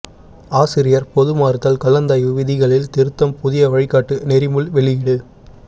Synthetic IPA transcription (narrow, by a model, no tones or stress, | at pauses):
aːsɪɾɪjɐɾpɔðɯmaːɾɯt̪ːɐlkɐlɐnd̪ɐjʊʋɪðɪɣɐɭɪlt̪ɪɾɯt̪ːɐmpʊðɪjɐʋɐɻɪkːaːʈːɯnɛɾɪmɯɭʋɛɭɪjɪɽɯ